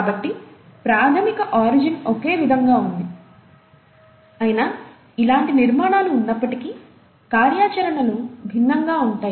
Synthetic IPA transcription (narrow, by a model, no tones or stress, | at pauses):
bɐʈːipɾaːt̪ʰɐmikɐʔaːɾid͡ʒinoke̞ːʋid̪ʱɐŋɡaːund̪i | ɐjina | ilaːɳʈiniɾmaːɳaːluːnːɐpːɐʈiki | kaːɾjaːt͡ʃɐɾɐɳɐlubʱinːɐŋɡaːuɳʈaːj